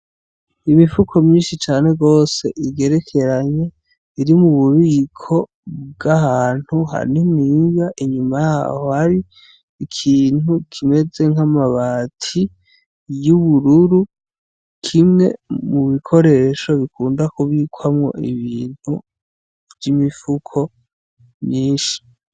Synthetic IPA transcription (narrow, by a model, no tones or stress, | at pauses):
imifukʰo̞mɲiːnʃit͡ʃaːne̞ɡo̞ːse̞ʔiɡe̞ɾekʰe̞ɾaɲe̞ | iɾimuβuβiːkʰo̞ | bɡahaːn̥huɦa̰nimŋiːŋɡaʔiɲumajaːhohaɾi | ikʰiːn̥ukʰime̞d͡ze̞ŋamaβaːtʰi | juβuɾuɾu | kʰimŋe̞̰mumikʰo̞ɾe̞ʃo̞βikuːndakuβiːkʰwamŋo̞̰ʔiβiːn̥hu | vjimifukʰo̞ | mɲiːʃi̥